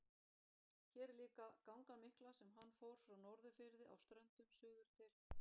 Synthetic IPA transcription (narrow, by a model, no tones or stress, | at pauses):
çɛːɾliːkakawŋkamɪhklasɛmɦanːfowɾ̥fɾawnɔɾðʏfɪɾðɪʔa̰wst̪ɾœnt̪ʏmsʏːɣðʏɾ̥t̪ʰɪl